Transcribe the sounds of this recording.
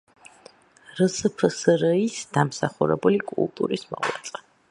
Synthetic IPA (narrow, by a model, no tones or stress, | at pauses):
ɾəsəpʰəsɾəisd̪̥amsaχuɾɛbulikʼṵlˠt̪ʼuɾismɔla̰t̪sʼqʼɛ